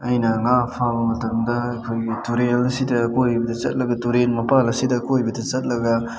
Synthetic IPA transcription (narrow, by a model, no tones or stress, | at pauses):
ɐjnɐŋapʰabɐmɐtɐmdɐɐkʰojɡituɾelɐsidɐkojbɐdɐt͡ʃɐ̰t̚lɐɡɐtuɾenmɐpalɐsidɐkojbɐdɐt͡ʃɐt̚lɐɡɐ